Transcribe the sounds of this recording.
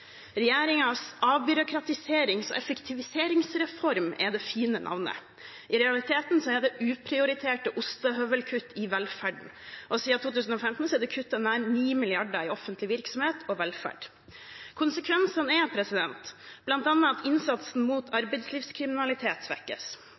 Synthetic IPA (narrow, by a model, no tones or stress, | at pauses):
ɾɛjeːɾɪŋɑsɑːʋbʏɾʊkʰɾɑt̪ɪseːɾɪŋsɔ̰ʔɛfəkt̪ʰɪʋɪseːɾɪŋsɾɛfɔɾmɛ̰d̪ɛfiːnənʔɑ̰ʋnə̰ | ʔɪɾɛɑlɪt̪ʰeːt̪nsɔɛd̪ɛʔʉːpʰɾɪʊɾɪt̪ʰeːʈəʔʊst̪ɑɦœʋəlkʰʉt̪ːɪʋɛlfæɖɳ̩ʔɔsiːɑt̪ʰuːt̪ʉːsn̩ɔfɛmt̪n̩sɔɛd̪ɛkʰʉt̪ːənæɾniːmɪlɪɑɖəɾɪɔfənt̪ʰlɪʋɪɾksɔmheːt̪ʰɔʋɛlfæ̰ɖ | kʰʊnsəkʰʋɛnsənɛpʰɾɛsɪd̪ɛnt̪b̥lɑnt̪ɑnːɑɑt̪ʰɪnsɑt̪sn̩muːt̪ʰɑɾbɛɪt̪sliːfskʰɾɪmɪnɑlɪt̪ʰeːt̪sʋɛ̰kːə̰s